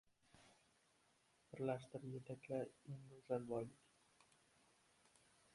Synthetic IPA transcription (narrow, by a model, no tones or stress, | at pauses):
b̥ɪɾlaʃt̪ɪɾjet̪ʰakʲlʲaɾeŋɡɵzalbɒjlɪkʲ